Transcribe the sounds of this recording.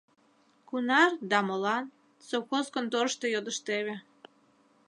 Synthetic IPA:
kunɑrd̪ɑmolɑn | sowxoskənt̪oɾʃt̪ejod̪əʃt̪eβe

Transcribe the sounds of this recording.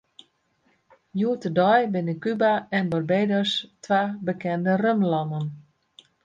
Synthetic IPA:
juətədɔjbɪnəkybaɛnbɔrbejdɔstʋaːbəkɛndərømlɔnən

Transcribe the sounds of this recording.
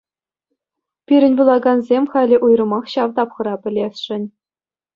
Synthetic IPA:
pʲiɾʲɘ̆nʲbulˠɑɡɑnzʲemʲχɑlʲɘ̆ʔujrɤ̆mɑχɕɑʋt̪ɑpχɤ̆ɾɑpʲɘ̆lʲesʲʂɘ̆nʲ

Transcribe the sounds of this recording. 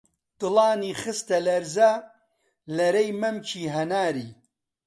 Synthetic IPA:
t̪ɨlɑːniːxɨst̪ɐlɐɾza | lɐɾejmɐmt͡ʃʰiːɦɐnaːɾiː

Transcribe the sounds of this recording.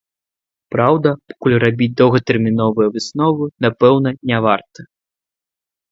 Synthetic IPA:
pɾawd̪ɐpɔ̥kulʲrabʲit͡sʲd̪ɔwɣɐt̪ɛrmʲinɔvɨjɐvɨsnɔvɨnapɛwnɐnʲavart̪ɐ

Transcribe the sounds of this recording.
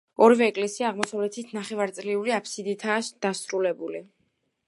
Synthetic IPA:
ɔɾvɛːkʼlɛsiaːʁmɔsavlɛt̪ʰit̪ʰnaχɛvaɾt̪sʼliuliapʰsid̪it̪ʰaːsd̪̥asɾulɛbuli

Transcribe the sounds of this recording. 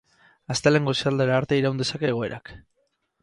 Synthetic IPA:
ast̪ele̞ŋɡo̞sald̪eɾaːɾt̪eiɾawnd̪e̞sake̞ɣ̞o̞e̞ɾʔa̰k

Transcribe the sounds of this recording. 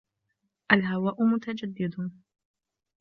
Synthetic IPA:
ʔalɦawaːʔʊmʊt̪ad͡ʒad̪ːɪd̪ʊ

